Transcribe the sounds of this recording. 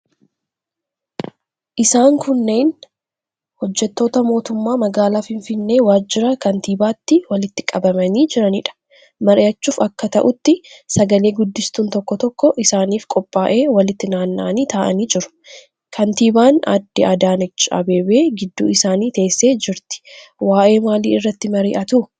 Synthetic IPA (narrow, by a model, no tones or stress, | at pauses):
ʔɪsaːŋkʊnːe̞ːn | hɔd͡ʒːɛt̪ːo̞ːt̪ɐmo̞ːt̪ʊmːaːmɐɡaːlaːfɪɱfɪnːe̞ːwaːd͡ʒːɪɾɐkɐnt̪iːbaːt̪ːɪwɐlɪt̪ːɪkʼɐbɐmɐniːd͡ʒɪɾɐnḭːᶑɐ̥ | mɐɾɪɐt͡ʃːuːfɐkːɐt̪ɐʔʊt̪ːɪsɐɡɐle̞ːɡʊd̪ːɪst̪uːnt̪ɔkːɔt̪ɔkːɔʔɪsaːniːfkʼɔpʼːaːʔe̞ːwɐlɪt̪ːɪnaːnːa̰niːt̪aːʔɐ̰niːd͡ʒɪɾʊ̥ | kʰɐnt̪iːbaːnɐ̰d̪ːɪʔɐd̪aːnɛt͡ʃːɐ̰be̞ːbe̞ːɡɪd̪ːṵːɪsaːniːt̪eːsːe̞ːd͡ʒɪɾt̪ɪ̥waːʔe̞ːmaːlḭːɪrːɐt̪ːɪmɐɾḭːʔɐt̪ʊ